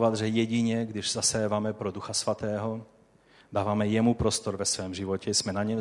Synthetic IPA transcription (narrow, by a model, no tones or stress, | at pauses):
vad̪ʒɛjɛɟɪɲɛɡdɪʒz̥asɛːvamɛpɾoduxasvat̪ɛːɦo̞ | daːvamɛjɛmupɾo̞st̪o̞ɾvɛsvɛːmʒɪvo̞cɛsmɛnaɲɛ